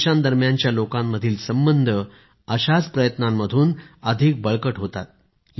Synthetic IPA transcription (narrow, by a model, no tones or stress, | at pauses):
ɕand̪əɾmjaɲt͡ɕjalokãmːəd̪ʱiːlsəmbənd̪ʱə | əɕat͡spɾəjət̪namːəd̪ʱuːnəd̪ʱik̚bəɭkəʈɦot̪a̰t̪̚